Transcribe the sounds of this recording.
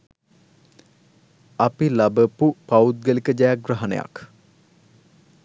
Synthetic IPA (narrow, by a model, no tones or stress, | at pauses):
ɐpilabəpupaut̪̚ɡəlikəd͡ʒajak̚ɡraɦɐnḛja̰k